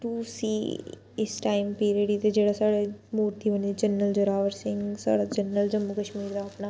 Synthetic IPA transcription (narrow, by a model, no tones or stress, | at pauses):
ʈuːsiː | ɪsʈaːɪmpiːɾiəɖit̪ed͡ʒeːɽasaːɽemuːɾt̪iːbənid͡ʒənːəld͡ʒəɾaːʋəɾsɪ̃ŋɡsa̰ːɽad͡ʒənːəld͡ʒəmːukəʃmiːɾd̪aɐpna